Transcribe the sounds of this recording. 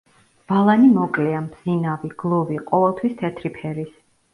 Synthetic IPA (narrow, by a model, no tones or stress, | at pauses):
b̥alˠanimɔkʼlɛambz̥inaviɡ̥lˠɔviqʼɔvɛlˠt̪ʰwist̪ʰɛt̪ʰɾipʰɛɾis